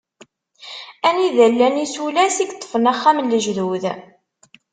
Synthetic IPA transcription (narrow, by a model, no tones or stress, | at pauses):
æniðælːænisulæsiɡt̪ˤːə̥fənæχːæmnlːəʒðuð